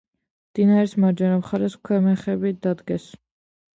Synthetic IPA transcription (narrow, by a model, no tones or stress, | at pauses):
md̪̥inaɾɛsmaɾd͡ʒɛnapχaɾɛskʰwɛmɛχɛbid̪ad̪ɡɛs